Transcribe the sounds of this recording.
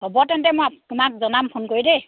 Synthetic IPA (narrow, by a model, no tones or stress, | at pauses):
ɦobɔtɛntɛmojatumak̚zɔnampʰonkoɹidɛ